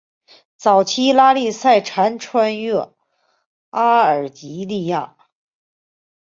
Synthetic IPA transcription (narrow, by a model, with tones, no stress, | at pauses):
t͡sɑ˨˩ʊt͡ɕʰi˥la˥li˥˧sa˥˩ɪʈ͡ʂʰa˧˥nʈ͡ʂʰwa˥nɛ˥˩ | a˥ə˞˨˩t͡ɕi˧˥li˥˧ja˥˩